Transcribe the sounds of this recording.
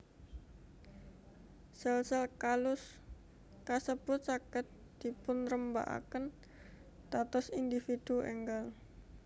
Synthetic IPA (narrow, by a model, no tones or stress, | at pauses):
sɛlsəlkalʊs | kasəb̥ʊt̪̚t͡ʃakət̪̚ | d̪̥i̤pʊnɾəmba̰ʔa̰kən | t̪at̪ɔsind̪ifid̪̥uʔɛ̰ŋɡal